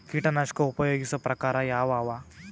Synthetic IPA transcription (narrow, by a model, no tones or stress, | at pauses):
kiːʈɐnaːʂkɐupɐjoːɡisɐpɾɐkaːɾɐjaːʋaːʋa